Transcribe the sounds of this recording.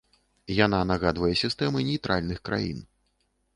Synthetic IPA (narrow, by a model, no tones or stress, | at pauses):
jan̪anaɣad̪vɐjɛsʲist̪ɛmɨnʲejt̪ɾalʲnɨxkɾa̰jḭn